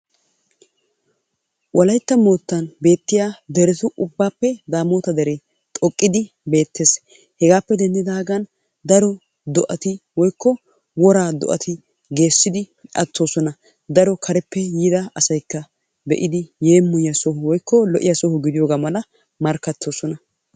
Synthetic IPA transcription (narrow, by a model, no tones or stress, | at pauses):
wʔɐlɐjt̪ːɐmo̞ːt̪ːɐnbe̞ːt̪ːɪjaːd̪ɛɾɛt̪ʊʔʊbːaːpːɛd̪aːmo̞ːt̪ɐd̪ɛɾe | t̪ʼɔkʼːɪd̪ɪ | be̞ːt̪ʰːe̞ːs | hɛɡaːpːɛd̪ɛnd̪ɪd̪ɐɐɡɐn | d̪ɐɾɔ | d̪ɔʔɐt̪ɪwɔjkʰːɔ | wɔɾaːd̪ɔ̰ʔɐ̰t̪ɪ | ɡe̞ːsːɪd̪ɪ | ɐ̰t̪ːo̞ːsɔnɐ | d̪ɐɾɔkʰɐɾɛpːɛjiːd̪ɐɐsɐjkːɐ | bɛ̰ʔɪd̪ɪje̞ːmːʊjjɐsɔhʊwɔjkːɔlɔʔɪjɐsɔhʊɡɪd̪ɪjo̞ːɡaːmɐlɐ | mɐɾkːɐt̪ːo̞ːsɔnɐ